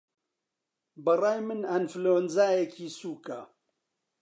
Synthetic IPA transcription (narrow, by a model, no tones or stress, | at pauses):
bɨrɑːjmɨnɐnfloːnzaːjɛkʰiːsuːka